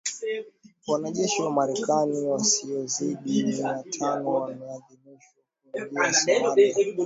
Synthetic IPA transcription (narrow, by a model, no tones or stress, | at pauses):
wanaʄɛʃiwamaɾɛkaniwasiɔziɗimiatʰanɔwamɛaðimiʃwakanɗɛsia